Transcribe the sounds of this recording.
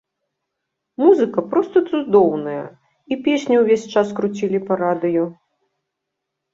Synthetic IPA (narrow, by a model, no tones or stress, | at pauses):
muzɨkɐpɾɔst̪ɐt̪sud̪ɔwnɐjɐ̰ | ipʲesʲnʲɐwvʲesʲt͡ʂaskɾut͡sʲilʲipɐɾad̪ɨju